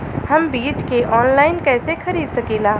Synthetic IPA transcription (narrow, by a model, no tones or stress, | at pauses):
hɐmbiːt͡ʃkeʔɔːnlaːɪnkɛːsexʰɐɾiːd̪sɐkiːlaː